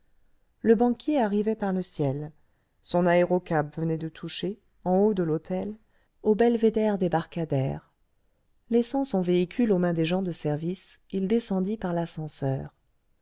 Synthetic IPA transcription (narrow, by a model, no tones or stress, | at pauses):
ləbɑ̃kʲjeaʁivɛpaʁləsjɛl | sɔ̃naeʁɔkapvənɛd̪ət̪ʰuʃe | ɑ̃od̪əlot̪ʰɛl | obɛlved̪ɛʁd̪ebaʁkad̪ɛ̰ːʁ | lɛsɑ̃sɔ̃veikʲʰylomɛ̃d̪eʒɑ̃d̪əsɛʁvisild̪esɑ̃d̪ipaʁlasɑ̃sœːʁ